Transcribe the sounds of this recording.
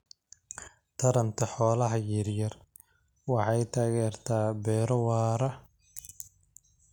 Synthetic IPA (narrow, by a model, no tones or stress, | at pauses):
t̪ʰɐɾɐnt̪ʰɐħɔːlɐɦɐjɪɾjɐr | wɑħɑjt̪ʰaːɣɛːrt̪ʰaːbɛːɾɔwaːɾɐ